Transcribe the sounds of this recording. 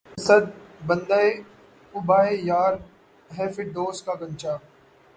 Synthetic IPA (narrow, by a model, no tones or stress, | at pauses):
sɐd̪̚bɐ̃nd̪aːe | ʊbaːejaːɾ | ɦɛːfɪʈ̚ɖ̪oːskaːɡɐ̃ɲt͡ʃaː